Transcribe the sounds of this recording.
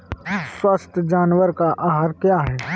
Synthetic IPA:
ɪswaːst̪ʰd͡ʒaːnwəɾkaʔaːɦaːɾkjaːɦɛː

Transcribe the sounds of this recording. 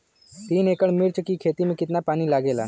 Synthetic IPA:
t̪iːneːkəɽmɪɾt͡ʃəkikʰeːt̪imẽkɪt̪napaːnilaːɡeːla̰ː

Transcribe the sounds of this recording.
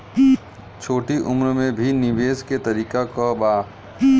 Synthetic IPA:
t͡ʃʰoːʈiʔʊmɾmẽbʱinɪʋeːsket̪ɐɾiːkakabaː

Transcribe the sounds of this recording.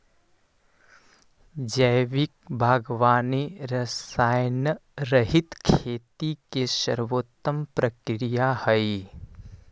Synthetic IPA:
d͡ʒəjʋɪk̚bʱaːɡʋaːniɾɐsaːjnəɾɐɦɪt̪kʰeːt̪ikesə̰ɾʋoːt̪ːəmpɾəkɾijahəj

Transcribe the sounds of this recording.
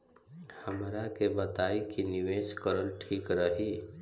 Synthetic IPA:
həmɾakebət̪aːikinɪʋeːʃkəɾəlʈʰiːkɾəɦiː

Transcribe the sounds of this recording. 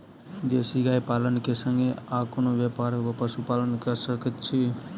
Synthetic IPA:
d̪esiɡaipalənkesəŋɡeakonoʋjepaɾkopəsupalənkəɾsəkət̪t͡ʃʰi

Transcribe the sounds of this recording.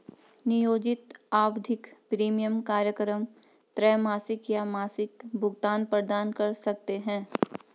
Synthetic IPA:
nɪjoːd͡ʒɪt̪aːwd̪ʱɪkpɾiːmijəmkaːɾjəkɾəm | t̪ɾɛːmaːsɪkjamaːsɪkbʱʊɡt̪aːnpəɾd̪aːnkɐɾsɐk̚t̪eɦɛ̃ː

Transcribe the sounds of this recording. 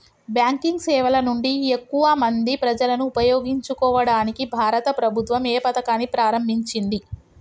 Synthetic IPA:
bjaːŋkiŋɡsɛːʋɐlɐnuɳɖiekːuʋɐmɐnd̪ipɾɐd͡ʒɐlɐnuːpɐjoːɡiɲt͡ʃukɔːʋɐɽaːnikibʱaːɾɐt̪ɐpɾɐbʱut̪ʋɐmeːpɐt̪ɐkaːnipɾaːɾɐmbʱiɲt͡ʃind̪i

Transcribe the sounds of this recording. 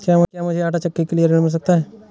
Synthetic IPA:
kamkjamʊd͡ʒʱeaːʈat͡ʃəkːekelijəɾɪɽmɪls̬ək̚t̪aɦɛː

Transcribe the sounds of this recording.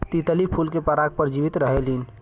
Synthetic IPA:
t̪it̪əlipʰulkepəɾak̚pəɾd͡ʒiʋit̪ɾəɦelin

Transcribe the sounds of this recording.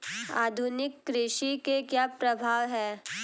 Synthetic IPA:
a̰ːd̪ʱʊnɪkːɾɪʃikekjaːpɾɐbʱaːʋɦɛː

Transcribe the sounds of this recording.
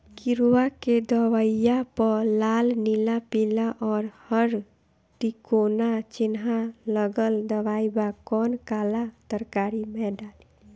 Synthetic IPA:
kɪɾwaked̪əwaijapəlaːlnilapilaʔɔːɾhəɾ | ʈikoːnat͡ʃɪnɦaləɡəld̪əwaːibakɔːnkaːlat̪əɾkaːɾimẽɖaːli

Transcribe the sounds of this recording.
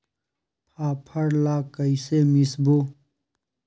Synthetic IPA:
pʰaːpʰɐɾlaːkəisemisboː

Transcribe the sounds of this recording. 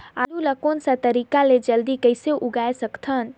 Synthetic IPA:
a̰lulakonsãt̪əɾikaled͡ʒəld̪ikəjseʔuɡaesəkt̪ʰən

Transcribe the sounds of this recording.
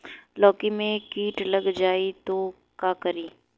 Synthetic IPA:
lɔːkimẽkiːʈlɐɡd͡ʒaːit̪o | kaːkɐɾiː

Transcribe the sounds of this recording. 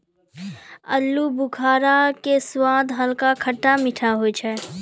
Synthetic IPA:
ə̰lːubʊkʰaːɾakeswãːd̪ʱɦəlkakʰəʈːamɪʈʰaɦot͡ʃʰɛː

